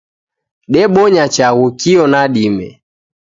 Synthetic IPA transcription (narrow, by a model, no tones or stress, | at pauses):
ɗɛɓɔɲat͡ʃaɣukiɔnaɗimɛ̰